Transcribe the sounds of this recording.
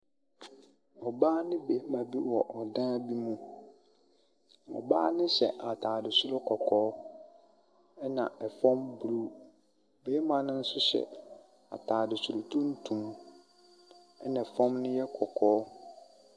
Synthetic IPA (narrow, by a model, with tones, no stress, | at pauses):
ɔ˨baː˦nɪ̃˦be˨˦mã˨bi˦wɔ˨ʔɔ˨dã˦bi˦mũ˦ | ɔ̰˨baː˦nɪ̃˦ɕɛ̰˨ʔa˨tʰaː˨dɪ˨sʊ˦ɾʊ˦kʰɔ˨kʰɔː˦ | ɛ˦nã˨ɛ˨fɔ̃˦mbu˨ɾu˦ | beː˨˦mã˨nɪ̃˦n̩˦sʊ˦ɕɛ̰˨ | a̰˨tʰaː˨dɪ˨su˨ɾʊ˨tʰũ˦n̩˦tʰũ˨m | ɛ˦nã˨ɛ˨fɔ̃˦mnɪ̃˦jɛ˦kʰɔ˨kʰɔː˨˦